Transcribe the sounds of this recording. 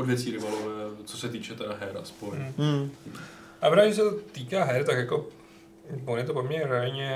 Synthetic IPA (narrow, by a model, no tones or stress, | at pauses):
ʔodvjɛt͡siːɾɪbalovɛt͡sosɛt̪iːt͡ʃɛt̪ɛdaɦɛɾaspoj | ʔapɾais̬ɛt̪ot̪iːkaːɦɛɾt̪akjako̞ | vonjɛt̪opomɲɛɾɛalɲɛ